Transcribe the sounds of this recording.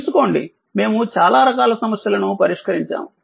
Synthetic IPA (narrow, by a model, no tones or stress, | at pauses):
suko̞ːɳɖḭ | me̞ːmut͡ʃaːlaːɾɐkaːlɐsɐmɐsjɐlɐnupɐɾiʂkɐɾiɲt͡ʃa̰ːm